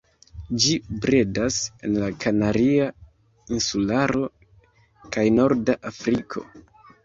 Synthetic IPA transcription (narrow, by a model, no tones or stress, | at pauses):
d͡ʒibɾedase̞nlakʰanaɾia | insulaɾo̞ | kajno̞ɾdaʔafɾikʰo̞̰